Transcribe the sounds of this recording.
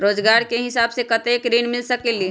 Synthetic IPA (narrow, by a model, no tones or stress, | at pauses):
ɾoːd͡ʒɡaːɾkeɦɪsaːbsekɐt̪eːkɾeːnmɪlsɐkeli